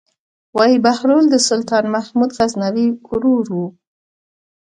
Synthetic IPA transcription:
wɑjibahɾold̪əsʊlt̪ɑnmahmud̪ɣaznawikʊɾuɾwu

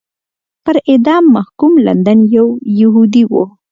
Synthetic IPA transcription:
pəɾɪd̪ɑmːahkumla̰nd̪anjawjaɦud̪iwo̰

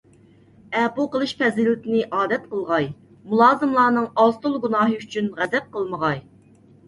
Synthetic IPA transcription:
ɛbuqəlˠɨʃpʰɛzɪlɪt̪ɪnɪʔɑːd̪ɛt̪̚qʰəlˠʁɑj | mulˠɑːzɨmlˠɑːnɨŋɑzt̪ulˠɡunɑːɦɨyt͡ʃʰynʁæd̪ɛp̚qəlˠməʁɑj

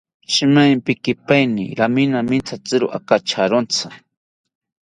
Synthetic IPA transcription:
ʃɪmajmpɪkɪpajnɪ̰ɾamɪnamɪnt͡sʰat͡sɪɾʊ̰ʔa̰kat͡ʃʰaɾont͡sʰa

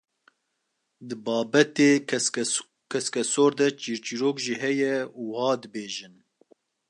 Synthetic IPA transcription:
d̪ɨbɑːbɛt̪eː | kʰɛskɛsoːɾd̪ɛt͡ʃiːɾt͡ʃiɾoːkʒiːɦɛjɛuhɑːd̪ɨbeːʒɨn

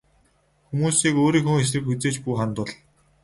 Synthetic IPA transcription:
xumuːsiːkoːɾiːŋxuŋxes̬rɘ̆kxut͡seːt͡ɕpuːχant̪ʊɮ

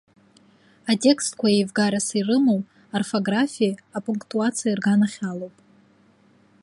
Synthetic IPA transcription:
atʼe̞kstkʷʰajejvɡaɾasirɨmow | arfoɡrafʲiapʼuŋkʰʼtʼuat͡sʰijairɡanaχʲalowpʼ

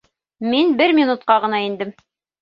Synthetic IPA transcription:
minbɘɾmʲinut̪̚qɑʁɤ̆nɑind̪ɘm

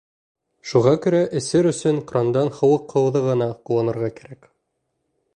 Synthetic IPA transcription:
ʃuʁɑkɵ̆ɾæʔɘ̆sɘɾɵ̆sɵŋqɾɑnd̪ɑnhɤ̆wɤqːɤ̆wðɤʁɤ̆nɑquwɑnɤ̆ɾʁɑkæɾæk

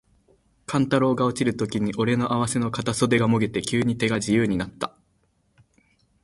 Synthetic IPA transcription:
kʰãnt̪aɾo̞ːɡao̞t͡ɕiɾɯ̟t̪o̞kʲiɲ̟iʔo̞ɾe̞no̞ʔaβ̞ase̞no̞kat̪aso̞d̪e̞ɡamo̞ɡe̞t̪e̞kʲɨːɲ̟it̪e̞ɡaʑijɯːɲ̟inat̪ːḁ

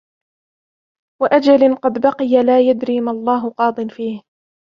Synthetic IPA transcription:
waʔad͡ʒalɪqɑd̪bɑqɪjalaːjad̪ɾiːmalˤːɑːɦʊqɑːd̪ˤɨnfiːh

